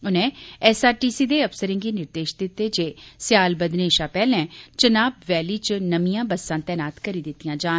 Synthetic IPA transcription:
ʊnẽːɛːsaːɾʈiːsiːd̪eːəpsəɾɪ̃ŋɡiːnɪɾd̪eːʃd̪ɪt̪ːeːd͡ʒeːsɪjaːlbəd̪neːʃãːpɛːlɛ̃ːt͡ʃənaːbʋɛːliːt͡ʃnəmijãːbəsːãːt̪ɛːnaːt̪kəɾiːd̪ɪt̪ːijãːd͡ʒaːn

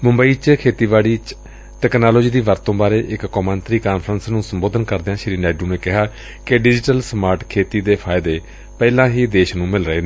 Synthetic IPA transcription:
mʊmbəiːt͡ʃkʰeːt̪iːbaːɽiː | ʈɛːknaːloːd͡ʒiːd̪iːʋəɾt̪õːbaːɾeːʔɪkːɔːmənt̪ɾiːkaːnpʰɾənsnũːsəmboːd̪ʱənkəɾd̪eãːʃɪɾiːnɛːɖũːneːkɪɦaː | kɪɖɪd͡ʒɪʈəlsmaːɾʈkʰeːt̪iːd̪eːpʰaːɪd̪eː | pɛːlãːɦiːd̪eːʃnũːmɪlɾəɦeː

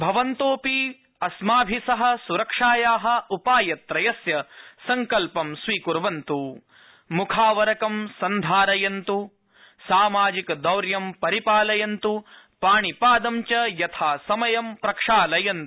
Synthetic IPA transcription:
bʱɐʋɐnt̪oːpi | ɐsmaːbʱisɐɦɐ̆suɾɐkʂaːjaːɦɐ̆upaːjɐt̪ɾɐjɐsjɐsɐŋkɐlpɐmsʋiːkuɾʋɐnt̪u | mukʰaːʋɐɾɐkɐmsɐnd̪ʱaːɾɐjɐnt̪u | saːmaːd͡ʒikɐd̪ɐwɾjɐmpɐɾipaːlɐjɐnt̪u | paːɳipaːd̪ɐmt͡ʃɐjɐt̪ʰaːsɐmɐjɐmpɾɐkʂaːlɐjɐnt̪u

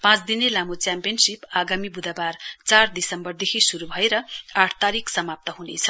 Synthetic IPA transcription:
pãt͡sd̪inelamot͡sjampijʌnsipaɡamibud̪ʱabart͡sard̪isʌmbʌrd̪ekʰisuɾubʱʌeɾʌaʈʰt̪aɾikʰsʌmap̚t̪ʌɦunet͡sʰʌ

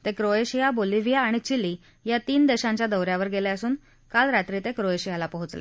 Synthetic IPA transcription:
t̪ekɾoeɕijaboliʋijaːɽ̃it͡ɕili | jat̪iːnd̪eɕãɲt͡ɕjad̪əwɾjaʋəɾɡeljaəsuːn | kalɾat̪ɾit̪ekɾoeɕijalapəɦut͡slḛ

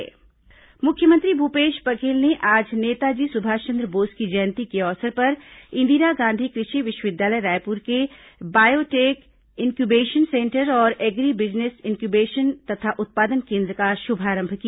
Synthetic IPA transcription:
mʊkʰjəmə̃nt̪ɾibʱupeːʃpɐkeːlneʔaːd͡ʒneːt̪ad͡ʒiːsʊbʱaːt͡ʃə̃nd̪ɾəboːskid͡ʒəjnt̪ikeɔːsəɾpɐɾɪ̃nd̪iːɾaɡãːnd̪ʱikɾɪʃiʋɪʃwəʋɪd̪jaːləjɾaːjpuɾke | baːjoʈeːk | ɪ̃ŋkjubeːʃənsẽːɳʈəɾɔːɾeːɡɾibɪd͡ʒnesɪnkjubeːʃənt̪ɐt̪ʰaʔʊt̪̚paːd̪ənkẽːnd̪ɾəkaʃʊbʱaːɾə̃mbʱkia

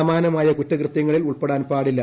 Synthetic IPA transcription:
ɐmaːnɐmaːjɐkutːɐkrɨt̪jɐŋːɐɭiluɭpeɽaːnpaːɽilːɐ

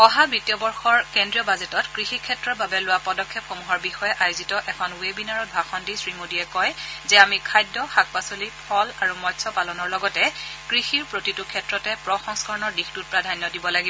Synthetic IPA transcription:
ɔɦabitjɔbɔɹxɔɹkendɹijɔbazetɔtkɹixikʰːɛtɹɔbabɛlowapɔdɔkʰːɛpxomuɦɔɹbixɔjɛʔajozitɔʔɛkʰɔnwebinaɹɔt̚bʱaxɔndisɹimodiɛkɔjzɛamikʰajdːɔxak̚pasolipʰɔlaɹumɔjtsʰɔpalɔnɔɹlɔɡɔtɛkɹixiɹpɹotitukʰːɛtɹɔtɛpɹɔxɔŋskɔɹɔnɔɹdixtut̚pɹadʱanjɔdibɔlaɡibɔ

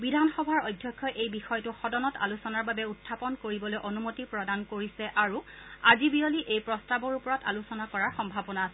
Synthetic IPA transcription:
bidʱanxɔbʱaɹɔjdʱjɔkʰːɔʔejbixɔjtʊxɔdɔnɔta̰lusɔnaɹbabɛutʰːapɔnkoɹibɔlojʔonumotipɹɔdankoɹisɛʔaɹuazibioliʔejpɹɔstabɔɹupɔɹɔta̰lusɔnakɔɹaɹxɔmbʱabɔnaːsɛ

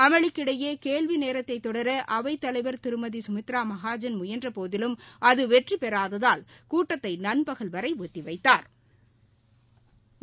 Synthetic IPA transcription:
ɐmɐɭɪkːɪɽɐjeːkeːɭʋineːɾɐt̪ːɐɪt̪ːɔɽɐɾɐʔɐʋɐɪt̪ːɐlɐɪʋɐɾt̪ɪɾɯmɐðisʊmʊt̪ːɾaːmɐɣaːd͡ʒɐnmʊjɐndrɐpoːðɪlɯmɐðɯʋɛʈripɛɾaːðɐðaːlkuːʈːɐt̪ːɐɪnɐnbɐɣɐɭʋɐɾɐɪʋɔt̪ːiʋɐɪt̪ːaːɾ

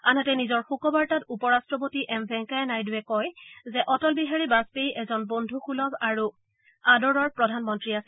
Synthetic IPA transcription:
anatɛnizɔɹxukɔbaɹtatupɔɹastɹɔpotiʔɛmbʱɛ̃ŋkajɛnajduwɛkɔjzɛʔɔtɔlbiɦaɹibaspejʔɛzɔnbondʱuxulɔɡaɹu | adɔɹɔɹpɹɔdʱanmɔntɹiasɛ

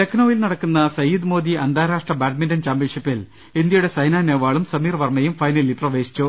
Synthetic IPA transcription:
t̪eknoːjilnɐɽɐkːunːɐsɐjud̪mo̞ːd̪iɐnd̪ʱaːɾaːʂʈrɐbaːʈ̚mindɐnt͡ɕaːmbiʂɐpːil | ind̪jɐjuɽe̞sɐjnaːneːʋaːɭumsɐmiːrʋɐrmɐjumfɐjnɐlilprɐʋe̞ːɕi̥t͡ɕːu

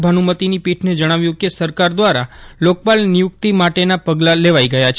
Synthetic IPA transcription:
bʱənumət̪inipiʈʰned͡ʒəɽ̃aʋjũkesəɾkaɾd̪ʋaɾalok̚balnijʊkt̪imaʈenapəɡlaleʋajɡəjat͡ʃʰ

